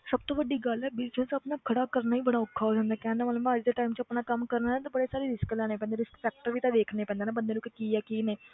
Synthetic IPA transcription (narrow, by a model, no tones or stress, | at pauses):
səb̚t̪õːʋəɖiːɡəlɛːbɪlt͡ʃəlsəpnaːkʰəɽaːkəɾnaːĩːbəɽaːʊkʰːaːɦoːd͡ʒãːnd̪aːkɛ̃ːnd̪aːmələmːəd͡ʒd̪eːʈaːimt͡ʃəpnaːkəmkəɾnaːnːt̪abəɽeːsaːɾeːɾɪsklɛːñeːpɛ̃ːnd̪eːɾɪskpɛːk̚ʈəɾʋiːt̪ãːd̪eːkʰneːpɛ̃ːnd̪aːnaːbənd̪eːnːkekiːɛːkiːneː